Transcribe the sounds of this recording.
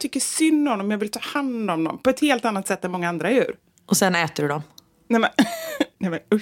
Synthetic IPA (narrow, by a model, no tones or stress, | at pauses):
t̪ʰʏkːəʂʏnːhɔnːɔmjɑɡvɪlt̪ʰɑːhand̪ɔmd̪ɔ̰mpʰɔɛt̪heːlt̪anːat̪sɛt̪ːɛnmɔŋːaand̪ɾajʉ̟̰ːɾ | ʔɔsɛnɛːt̪əɖɵɖɔm | nɛjmɛnnɛjmɛnɵ